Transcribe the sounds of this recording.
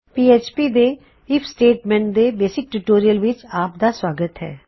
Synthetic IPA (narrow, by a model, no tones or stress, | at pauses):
piːeːt͡ʃpiːd̪eː | ɪpʰsʈeːʈmɛ̃ːɳʈd̪eːbeːsɪk̚ʈuʈoːɾijəlʋɪt͡ʃaːp̚d̪aːswaːɡət̪ɦɛ̰ː